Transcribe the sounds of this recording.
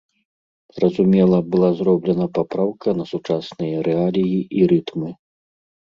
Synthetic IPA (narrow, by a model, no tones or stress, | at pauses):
zrɐzumʲɛlˠɐbɨlˠazɾɔblʲɛnɐpapɾawkɐnɐsut͡ʂasnɨjɐɾɛalʲijiʔiɾɨt̪mɨ